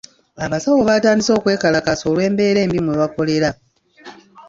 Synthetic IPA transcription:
aβasawoβataːndiso̞ːkwe̞ːkalakasoːlwe̞ːmbe̞ːɾe̞ːmbimweβako̞le̞ɾa

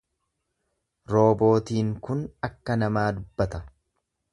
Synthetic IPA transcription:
ɾo̞ːbo̞ːt̪iːŋkʊnɐkːɐnɐmaːd̪ʊbːɐt̪ɐ

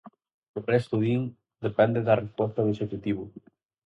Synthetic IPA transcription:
orest̪uðiŋ | d̪epɛnd̪eðarespɔst̪aweʃekut̪iβʊ

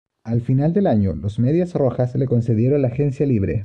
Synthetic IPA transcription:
alfinald̪e̞laɲolozme̞ðjasroxasle̞ko̞nseðjeɾo̞nlaːxe̞nsjaliβ̞ɾe̞̰

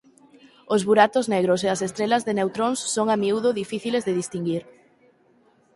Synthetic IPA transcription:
ozβuɾat̪ozneɣɾoseasest̪ɾelɐzðenewt̪ɾonsːoŋamiuðʊðifiθilezðeðist̪iŋɡiɾ

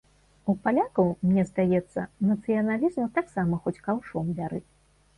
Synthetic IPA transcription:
upalʲakɐwmnʲɛzd̪ajɛt̪sːɐ̰nɐt̪sɨjɐnalʲizmɐt̪aksamɐxɔt͡sʲkawʂɔmvʲaɾɨ

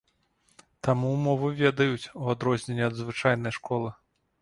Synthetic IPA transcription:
t̪amumɔvɨvʲɛd̪ɐjut͡sʲuad̪ɾɔzʲnʲenʲːɛɐd̪zvɨt͡ʂajn̪ɐjʂkɔlˠɨ

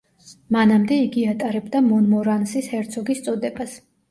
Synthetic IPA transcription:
manamd̪ɛiɡiat̪ʼaɾɛbd̪amɔnmɔɾansishɛɾt̪sʰɔɡist̪sʼɔd̪ɛbas

